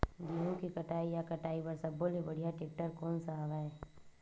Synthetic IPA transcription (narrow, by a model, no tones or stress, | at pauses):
ɡiɦõkikɐʈaːijakɐʈaːipɐɾsɐbːolebɐɽ̤ijaʈeːk̚ʈəɾkɔːnsaaːʋaɦɛː